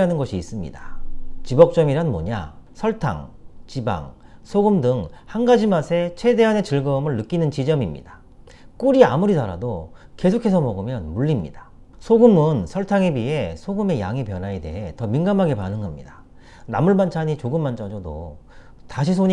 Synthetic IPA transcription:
anɯnɡʌɕʰiːs͈ɯmɲḭdat͡ɕibʌk̚t͡ɕ͈ʌmiɾanmo̰ɲa̰sʰʌɭtʰa̰ŋt͡ɕiba̰ŋ | sʰoɡɯmdɯŋhanɡad͡ʑimasʰe̞t͡ɕʰe̞de̞ɦane̞t͡ɕɯɭɡʌmɯɭnɯk͈inɯnt͡ɕid͡ʑʌmimɲḭda | k͈uɾiamuɾidaɾa̰doke̞sʰokʰe̞sʰʌmʌɡɯmjʌnmuɭːimɲḭdḁ | sʰoɡɯmɯnsʰʌɭtʰaŋebie̞sʰoɡɯme̞ja̰ŋipjʌnɦaede̞̰ɦe̞tʌminɡamɦaɡe̞panɯŋɡʌmɲḭda | na̰muɭbant͡ɕʰaɲit͡ɕoɡɯmːant͡ɕ͈ʌd͡ʑʌdo̰ | taɕʰis̬ʰoɲ

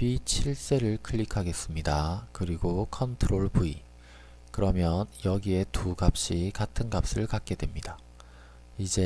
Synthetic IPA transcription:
pit͡ɕʰiɭs͈e̞ɾɯɭkʰɯɭːikʰaɡe̞s͈ɯmɲidakɯɾiɡokʰʌntʰɯɾoɭbui | kɯɾʌmjʌnjʌɡie̞tuɡap̚ɕ͈ikatʰɯnɡap̚s͈ɯɭkak̚k͈e̞dwe̞mɲida | id͡ʑe̞

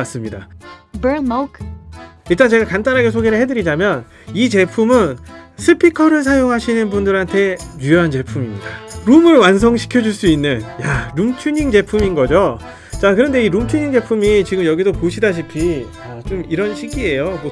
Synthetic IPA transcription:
as͈ɯmɲidabənmok | iɭt͈ant͡ɕe̞ɡakant͈anɦaɡe̞sʰoɡeɾɯɭhedɯɾid͡ʑamjʌn | it͡ɕe̞pʰumɯnsʰɯpʰikʰʌɾɯɭsʰajoŋɦaɕʰinɯnbundɯɾɦantʰe̞ɲujʌɦant͡ɕe̞pʰumimɲidaɾumɯɭwans̬ʰʌŋɕʰi̥kʰjʌd͡ʑuɭs͈uinːɯnjaɾumt͡ɕʰuɲiŋd͡ʑe̞pʰuminɡʌd͡ʑo | t͡ɕakɯɾʌnde̞iɾumt͡ɕʰuɲiŋd͡ʑe̞pʰumit͡ɕiɡɯmjʌɡidokuɕʰidaɕʰipʰi | at͡ɕomiɾʌnɕʰiɡie̞jomo

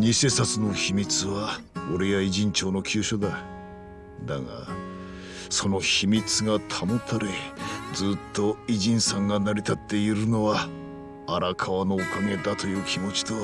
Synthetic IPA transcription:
ɲise̞ːsat͡sɨno̞çimʲit͡sɨβaoɾejaiʑĩɲ̟t͡ɕo̞ːno̞kʲʰɨːɕo̞d̪a | d̪aŋa̰ | so̞no̞çimʲit͡sɨɡat̪ʰamot̪ʰaɾed͡zɨːt̪ːo̞iʑĩɰ̃sãŋɡanaɾʲit̪at̪ːe̞iɾɯ̟no̞βaː | ɾakʰaβano̞ːkame̞d̪at̪o̞jɯ̟ːkʲʰimo̞t͡ɕi̥t̪o̞

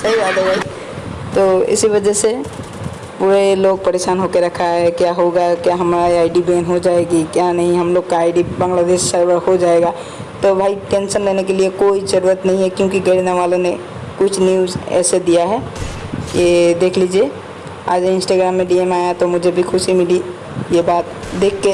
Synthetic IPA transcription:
səɦiɾad̪obʱai | t̪oɪ̰siβəd͡ʒɛse | puɾeloɡ̚pəɾeːʃaːnɦokeɾɐkʰaɦɛkjaɦoɡakjaɦəmɾaaːɪɖibenɦod͡ʒaːeɡikjanəɦĩɦəmloːɡ̚kaaːɪɖibə̃ŋɡlad̪eːʃsəɾbəɾhod͡ʒaːeɡa | t̪obʱaiʈensənlenekeliekoid͡ʒəɾuət̪nəɦĩɦɛkjõkiɡəɾnaʋalõne | kʊt͡ʃʰnjuzɛ̰ːsed̪ijaɦɛ | jed̪ekʰlid͡ʒe | a̰ːd͡ʒɪ̃nsʈaɡɾamːeɖiemaːjat̪omʊd͡ʒʱebʱikʰʊsimɪli | jebaːt̪̚ | d̪ekʰːe

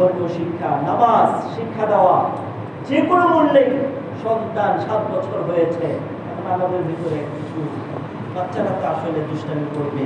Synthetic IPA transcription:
olkoʃikʰːanabazʃikʰːad̪aoa | d͡ʑekonomonle | ʃɔd̪d̪anʃat̪̚bɔt͡ɕʰoɾɦojet͡ɕʰe | ɛkʰonalod̪eɾbʱit̪oɾeɛkkit͡ɕʰu | batːʃaɾat̪aaʃoled̪uʃʈanikoɾbe

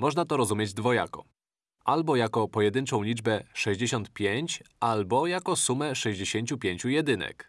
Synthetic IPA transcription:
mɔʐnat̪ɔɾɔzumʲjed͡ʑd̪vɔja̰kɔ̰ | ʔalbɔjakɔpɔjɛd̪ɘnt͡ʂɔ̃w̃lʲid͡ʐbɛʂɛʑd͡ʑeɕɔnt̪pʲjeɲt͡ɕʔalbɔjakɔsumɛʂɛʑd͡ʑeɕeɲʲt͡ɕupʲjeɲʲt͡ɕujɛd̪ɘnɛ̰k

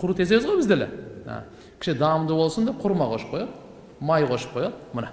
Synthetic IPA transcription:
qʰʊɾut̪ʰe̞ze̞βɪzʁojbɪzd̪elea̰ | kʲʰɪ̥ʃɪd̪ɑmd̪əbo̞lˠsənd̪ep̚qʰʊɾmɑqʰoʃəp̚ʰojɑd̪ə | mɑjqʰoʃə̥p̚qʰojɑd̪əməne

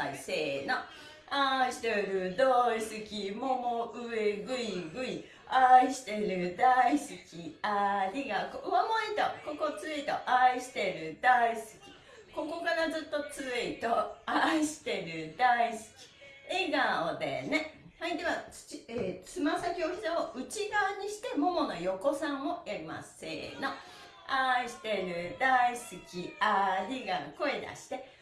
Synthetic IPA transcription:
aiseːno | aɕi̥t̪eɾɯ̟d̪oisɨkʲimo̞moʔɯ̟e̞ɡɯ̟iɡɯ̟i | aiɕi̥t̪e̞ɾɯ̟d̪aisɨkʲiaɾʲiɡakoamoit̪oko̞ko̞t͡sɨit̪o̞ʔaiɕi̥t̪e̞ɾɯ̟d̪aisɨ̥kʲi̥ | ko̞ko̞kaɾad͡zɨt̪ːo̞t͡sɨit̪o̞aiɕi̥t̪e̞ɾɯ̟d̪aisɨ̥kʲi̥eɡaod̪e̞̰ne̞haid̪e̞βat͡sɨ̥t͡ɕiet͡sɨmasakʲio̞çʲi̥saoɯ̟t͡ɕiɡaːɲ̟iɕi̥t̪e̞mo̞mo̞nojo̞ko̞sãɰ̃o̞jaɾʲima̰sḛːno | aiɕi̥t̪e̞ɾɯ̟d̪aisɨkʲiaiɡako̞e̞d̪a̰ɕi̥t̪e̞

